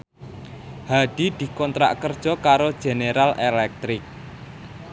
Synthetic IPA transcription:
haɖ̥i̤d̪̥i̤kɔnt̪ɾa̰ʔkərd̥ʒ̥ɔ̤kaɾod̥ʒ̥e̤neɾalʔelɛk̚t̪ɾɪk̚

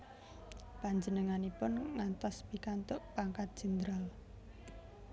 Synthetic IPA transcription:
paɲd͡ʒənəŋanipʊnŋant̪ɔspikant̪ʊʔpaŋkat̪̚dʒ̥ənd̪ɾal

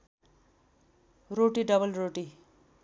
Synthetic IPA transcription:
roʈiɖʌbʌlroʈi

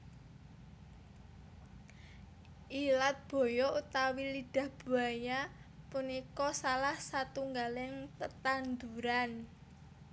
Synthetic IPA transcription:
ʔilat̪̚b̥o̤jɔut̪awiliɖ̥ä̤hb̥ṳajapunikɔsalahsat̪uŋɡalɪŋt̪ət̪and̪uɾan

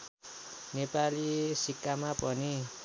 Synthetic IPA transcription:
nepalisikamapɔni

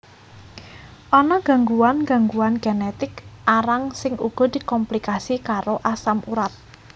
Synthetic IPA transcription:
ʔɔnɔɡ̥ä̤ŋɡuwanɡ̥a̤ŋɡuanɡ̥enɛt̪ɪkʔaɾaŋsɪŋuɡ̥ɔ̤d̪̥i̤kɔmplikasikaɾoʔasamuɾat̪̚

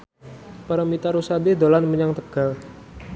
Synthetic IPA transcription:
paɾamit̪aɾusaded̪olanməɲaŋt̪əɡ̥al

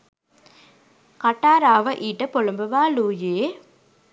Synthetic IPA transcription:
kɐʈːaːɾaːʋɐʔiːʈːɐpɔɭɐmbɐʋaːluːjeː

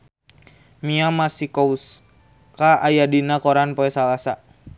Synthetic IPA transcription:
miamasikous | kaʔajadinakoɾanpoɛsalasa

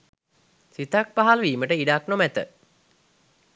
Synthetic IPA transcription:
sit̪ak̚paɦalʋiːməʈəiɖaknomæt̪ə

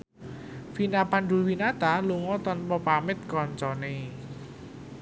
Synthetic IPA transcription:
finapanɖṳlwinat̪aluŋɔt̪ɔnpɔpamɪt̪̚kɔɲt͡ʃɔne

